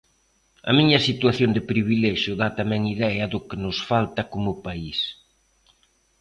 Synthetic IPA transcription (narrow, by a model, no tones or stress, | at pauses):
ɐ̰miɲɐsit̪waθjond̪ɪpɾiβ̞ilɛʃjʊðat̪amɛŋiðɛɐðʊkɪnʊsfalt̪ɐkomʊpais